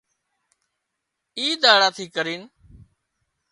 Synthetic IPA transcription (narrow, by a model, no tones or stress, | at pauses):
iːd̪aːɽaːt̪ʰiːkəɾiːn